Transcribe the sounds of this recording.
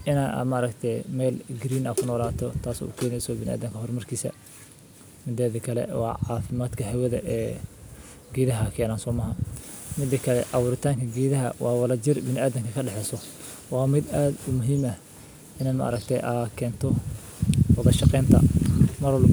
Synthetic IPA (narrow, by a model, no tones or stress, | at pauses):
ʔɪna̰mɐːɾɐkt̪ʰɛmɛːlɡɾiːnɐkʰʊnɔːlaːt̪ʰɔt̪ʰaːsɔ̰ṵːkʰɛːnɛjsɔbɪnɪʔa̰ːd̪ɐŋkʰɐɦɔrmɐrkʰiːsɐ̰ | mɪd̪ɛːðikʰɐlɛ̰wɑ̰ːʕɑːfɪmaːd̪kʰɐɦɛwɐðɐ̰ʔɛː | ɡiːðɐɦɐkʰɛːnaːnsɔːmɐɦɐmɪd̪ːɐkʰɐlɛ̰ʔɑwʊːɾɪt̪ʰaːŋkʰɐɡiːðɐɦɐ̰wɑːwɑlɐt͡ʃɪrbɪnɪʔaːðɐŋkʰɐkʰɐɖɛħɛsɔ | wɑːmɪd̪aːd̪ʊmʊɦiːmɐ | ʔɪnɐmɐ̰ʔɐ̰ɾɐkt̪ʰɛʔaːkʰɛːnt̪ʰɔ | wɑðɐʃɑqɛːnt̪ʰɐ̰mɐɾl